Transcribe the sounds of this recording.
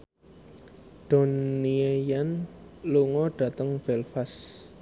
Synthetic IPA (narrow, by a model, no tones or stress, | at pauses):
d̥o̤niejanluŋɔɖ̥ä̤t̪əŋb̥ɛlfas